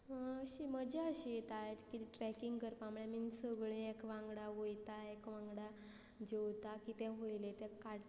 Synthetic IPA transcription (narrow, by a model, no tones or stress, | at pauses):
ɕiməd͡ʑaəɕit̪ajkiʈɾɛkiŋɡkəɾpãmɭɛminsəɡɭẽekʋãŋɡɽaʋojt̪aekʋãŋɡɽa | d͡ʑewt̪akit̪ɛ̃ɦoilet̪ɛ̃kaɽ